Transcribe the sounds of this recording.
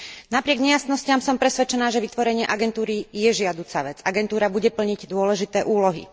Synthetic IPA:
napɾɪɛɡɲɛjasnɔscamsɔmpɾɛsʋɛt͡ʃɛnaːʒɛʋit̪ʋɔɾɛɲɪɛʔaɡɛnt̪uːɾijɛʒɪad̪uːt͡saʋɛd͡zaɡɛnt̪uːɾabuɟɛpl̩ɲiɟd̪ʊɔlɛʒit̪ɛːʔuːlɔɦḭ

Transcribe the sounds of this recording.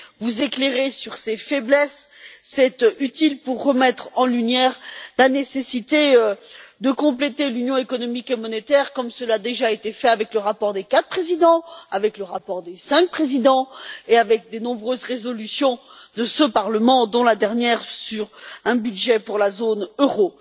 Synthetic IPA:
vuzekleʁesyʁsefɛblɛsːɛt̪yt̪ilpuʁːəmɛt̪χɑ̃lynjɛʁlanesesit̪eød̪əkɔ̃plet̪elynjɔ̃ekɔnɔmikemɔnet̪ɛʁkɔmsəlad̪eʒaet̪efɛavɛkləʁapɔʁd̪ekat̪χpχezid̪ɑ̃avɛkləʁapɔʁd̪esɛ̃k̚pχezid̪ɑ̃eavɛk̚d̪enɔ̃bʁøzʁezɔlysjɔ̃ | d̪əsəpaʁləmɑ̃d̪ɔ̃lad̪ɛʁnjɛʁsyʁɛ̃byd̪ʒɛpuʁlazonøʁo

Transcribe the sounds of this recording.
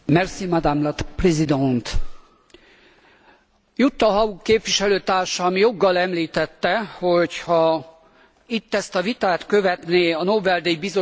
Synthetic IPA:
mɛrsimad̪amlɒt̪prɛzid̪ɛnt̪ | jut̪ːɒɦɒukːeːpʋiʃɛløːt̪aːrʃɒːmijo̞ɡːɒlɛmliːt̪ɛt̪ːɛhochɒ | it̪ːɛst̪ɒvit̪aːt̪kø̞vɛt̪neːɒnoːbɛld̪ɛjbizo

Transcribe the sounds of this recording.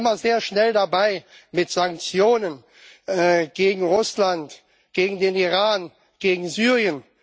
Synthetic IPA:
ɪmɐzeːɐʃnɛldabaɪmɪtz̥aŋk̚t͡sjoːnən | ʔɛːɡ̥eːɡŋ̩ʁʊslant | ɡ̥eːɡŋ̩deːniʁaːn | ɡ̥eːɡŋ̩zyːʁjən

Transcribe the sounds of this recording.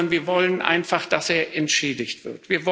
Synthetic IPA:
nviːɐvɔlənʔa̰ɪnfaχd̥aseːɐʔɛntʃeːdɪçtv̥ɪɐtv̥iːɐvɔ

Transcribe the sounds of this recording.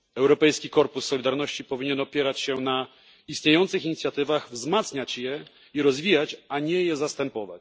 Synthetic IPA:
ɛwɾɔpɛjskʲikɔɾpusːɔlʲid̪aɾnɔɕt͡ɕipɔvʲiɲɛnɔpʲjɛɾat͡ɕɕɛna | ist̪ɲejɔnt̪sɘxiɲit̪sʲjat̪ɘvaɣvzmat̪sɲat͡ɕjɛ | iɾɔzvʲijat͡ɕaɲɛjɛzast̪ɛmpɔva̰t͡ɕ

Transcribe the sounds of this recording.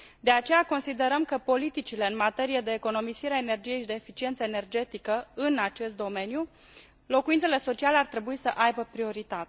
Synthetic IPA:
d̪e̞at͡ʃe̞jako̞nsid̪e̞ɾəmkəpo̞lit̪it͡ʃileɨnmat̪e̞ɾije̞d̪e̞ːko̞no̞misiɾeaene̞rd͡ʒije̞jʃid̪e̞ːfit͡ʃient̪səene̞rd͡ʒe̞t̪ikəɨnat͡ʃe̞st̪̚d̪o̞me̞nju | lo̞kuint̪sele̞so̞t͡ʃialeart̪ɾe̞buisəʔajbəpɾio̞ɾit̪at̪e

